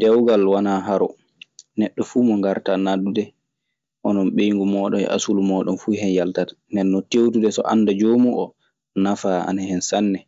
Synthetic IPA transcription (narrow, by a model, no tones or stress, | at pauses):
d̥ɛwɡalwanaɦaɾɔ | nɛɗːɔfuːmɔŋɡaɾtanadudɛ | ʔɔnɔnɓejŋɡumɔːɗɔmɛ̰ʔa̰sulumɔːɗɔnfuɦɛnjaltatḁndɛnːɔtewtudɛsɔ̰ʔa̰nːdad͡ʒoːmuʔɔ | nafaa̰nahɛnsanːɛ